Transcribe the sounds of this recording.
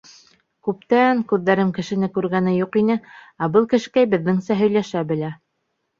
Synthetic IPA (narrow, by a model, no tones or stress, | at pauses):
kʉp̚t̪æŋkʉðːæɾɘmkɘ̆ʃɘ̆nɘkʉɾɡænɘjuqinɘ | æbɤlˠkɘ̆ʃɘ̆kæjbɘ̆ðːɘŋsæɦɵ̆jlæʃæbɘ̆læ